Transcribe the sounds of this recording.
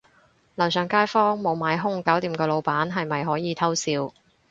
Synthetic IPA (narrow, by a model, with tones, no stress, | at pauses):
lɐ˨˩wsœː˨˩ŋkaː˥jfɔː˥ŋmo˨˧wmaː˨˧jɦʊ˥ŋkɐ˨˥wt̪iː˨˩mkɔː˧lo˨˧wpaː˨˥nɦɐ˨jmɐ˨jɦɔː˨˥jiː˨˧t̪ʰɐ˥wsiː˧w